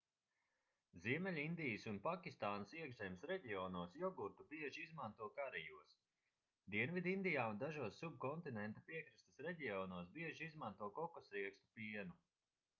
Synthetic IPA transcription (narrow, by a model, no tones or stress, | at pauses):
ziɛmɛlʲind̪ijəsunpakʲist̪aːnɐsiɛɡʒɛjmsɾɛɟʲiɔːnuɔsjɔɡuɾt̪ubiɛʒiizmant̪uɔkaɾɛjuɔs | d̪iɛnvid̪ind̪ijaːund̪aʒuɔsːub̚kɔnt̪inɛnt̪apiɛkɾist̪ɐ̥sɾɛɟʲiɔnuɔsbiɛʒiizmant̪uɔkɔkɔsɾiɛkst̪u̥piɛnu